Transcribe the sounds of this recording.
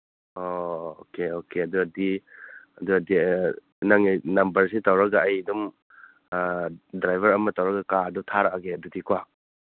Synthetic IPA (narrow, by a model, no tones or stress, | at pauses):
ookeokeɐduɐdiɐduɐdi | naŋijnɐmbɐɾsitɐwɾɐɡaːjdum | dɾajbʱɐɾɐmɐtawɾɐɡɐkadutʰaɾakaɡeɐdutikwa